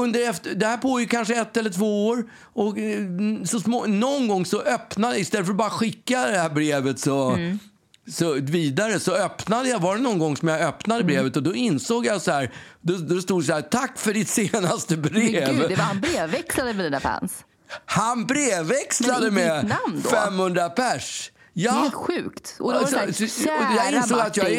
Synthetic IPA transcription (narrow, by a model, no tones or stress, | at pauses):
ɵnd̪əɾɛft̪əd̪ɛhæːɾpʰoːjɪɡ̚kʰanʂəɛt̪ːɛlːəʈʰvoːoːɾ | ɔk | sɔsmonɔnɡɔŋːsɔʔœpnad̪ɪst̪ɛlːəfœɾɔbɑːɾaɧɪkːad̪ɛhæːɾbɾeːvət̪sɔ | sɔviːd̪aɾəsɔœpnad̪əjavaɖɛnɔnɡɔŋːsɔmjaœpnad̪əbɾeːvət̪ɔd̪ɔɪnsoːɡjasɔhæːɾd̪ɔd̪ɔst̪uːd̪saɦæːɾt̪ʰakːfœɖɪt̪seːnast̪əbɾeːvaanbɾeːvːɛkslad̪əmɛd̪ɛæfæ̰ns | hanbɾeːvːɛkslad̪əmɛnamd̪̰fɛmhɵnd̪ɾapʰæʂ | jɑːɧʉːkt̪ɔd̪sɔɔjɑɪnsoːɡat̪jɑ